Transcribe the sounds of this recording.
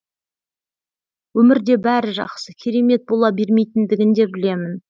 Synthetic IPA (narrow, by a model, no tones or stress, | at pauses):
wɵmɪɾd̪e̞bæɾɪʒɑ̰qsəkʲʰeɾe̞me̞t̪̚bo̞lˠɑbe̞ɾme̞jt̪ɪnd̪ɪɡʲɪnd̪e̞bɪle̞mɪn